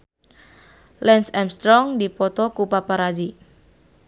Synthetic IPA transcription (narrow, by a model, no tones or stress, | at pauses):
lɛnsɛmst̪ɾɔŋdipɔt̪ɔkupapaɾad͡ʒi